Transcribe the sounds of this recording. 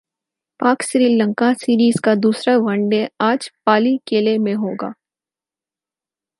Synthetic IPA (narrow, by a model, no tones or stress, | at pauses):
paːkʃɾiːlə̃ŋkasiːɾiːzkad̪uːsɾaʋɐ̃ɳɖeaːd͡ʒpaːlikeːlemẽɦoːɡa̰ː